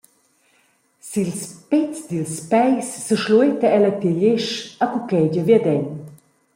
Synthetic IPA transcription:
silspɛt͡sd̪ilspɛjsːəʃluet̪aɛlɐt̪iʎeʃakukɛd͡ʑəvjad̪ɛɲ

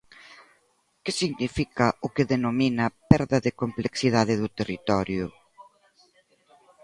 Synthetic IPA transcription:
kɪsiɣnifikɐʊkɪðenominɐpɛɾðɐðɪkompleksiðaðɪðʊt̪erit̪ɔɾjʊ

